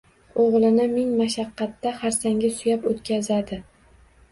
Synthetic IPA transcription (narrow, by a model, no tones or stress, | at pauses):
oʁlˠɪnɪmɪŋmaʃɑqːɑt̪ːaχaɾsaŋɡʲasʊjapot̪kʲʰazad̪ɪ